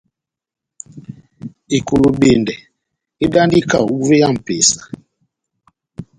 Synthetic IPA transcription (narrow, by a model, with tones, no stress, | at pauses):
e˨ku˨lo˨ɓe˨ndɛ˨ | e˦da˦ndi˦ka˦˨u˦ve˦ja˦˨m̩˨pe˨sḁ˨